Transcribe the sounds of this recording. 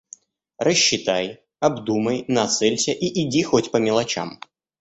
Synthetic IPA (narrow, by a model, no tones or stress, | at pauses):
rəɕːɪt̪aj | ɐbd̪uməjnɐt̪sɛlʲsʲəʔiʔɪdʲixotʲpəmʲɪlˠɐt͡ɕa̰m